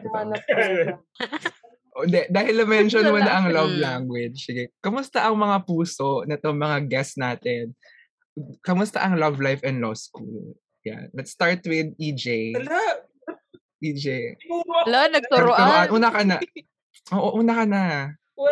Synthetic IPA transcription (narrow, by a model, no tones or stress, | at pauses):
ʔod̪ɛd̪aːhɪlːɐmɛnʃonmɐnɐʔɐŋlɐvlaŋɡwɛd͡ʒsɪɡɛkɐmʊst̪ɐʔɐŋmɐŋapuːsoʔnɐt̪oŋmɐŋaɡɛsnaːt̪ɛn | kɐmʊst̪ɐ̰ʔɐŋlɐvlajfɛnd̪lo̰skṵːl | ja̰nlɐt̪st̪aɹt̪wɪd̪̚id͡ʒej | ʔid͡ʒejlɐnɐɡ̚soɾoɐʔɐnʔuːnɐkɐnɐ | ʔoːʔoʔuːnɐkɐnɐ